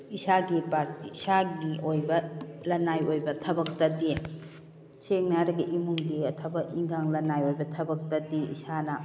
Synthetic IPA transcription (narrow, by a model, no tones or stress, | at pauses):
isaɡipaɾtisaɡiojbɐlɐnajojbɐtʰɐbɐk̚tɐdi | seŋnaɾɐɡɐʔimuŋɡiɐtʰɐbɐʔiŋɡaŋlɐnajojbɐtʰɐbɐk̚tɐdiḭsanɐ